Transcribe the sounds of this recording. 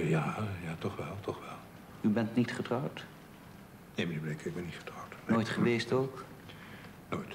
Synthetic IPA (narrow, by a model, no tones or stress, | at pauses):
jaːjaːtɔχʋɛlˠtɔχʋɛlˠ | ybɛntnitχətrɑwt | nemadibdɛŋkɪɡ̚bɛnitχə̥trʌwtnnoːjtχəʋejstok | noːjt